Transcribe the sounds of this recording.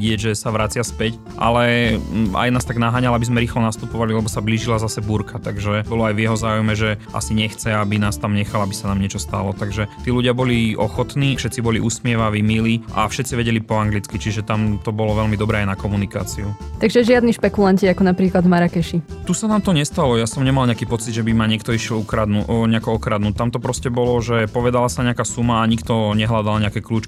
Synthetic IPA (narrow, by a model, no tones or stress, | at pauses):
ɟɪɛɟʒɛsaʋɾat͡sɪaspɛc | ʔa̰lɛ | a̰jnaːst̪aɡnaɦaːɲalabizmɛɾiːxlɔnast̪upɔʋalilɛbɔsabliːʒilazasɛbuːɾkʰat̪aɡʒɛbɔlɔajʋjɛɦɔzaːujmɛʒɛʔa̰siɲɛxt͡sɛabinaːst̪amɲɛxalabisanaːmɲɪɛt͡ʃɔst̪a̰lɔt̪aɡʒɛt̪iːluɟɪabɔliɔxɔt̪niːʃɛt̪t͡sibɔliʔusmɪɛʋaʋimiliʔa̰fʃɛt̪t͡siʋɛɟɛlipɔaŋɡlit͡skit͡ʃiʒɛt̪amt̪ɔbɔlɔʋɛlmid̪ɔbɾɛːajnakɔmunika̰ːt͡siut̪aɡʒɛʒɪad̪niʃpɛkulanciakɔnapɾiːklad̪maɾakɛʃit̪usanaːmt̪ɔɲɛst̪alɔjasɔmɲɛmalɲɛakiːpɔt͡sid̪ʒɛbimaɲɪɛkt̪ɔiʃɪɛlukɾad̪nuɲɛakɔɔkɾad̪nuːt̪amt̪ɔpɾɔscɛbɔlɔʒɛpɔʋɛd̪alasaɲɛakasumaːɲikt̪ɔɲɛɦlad̪alɲɛakɛkluːt͡ʃk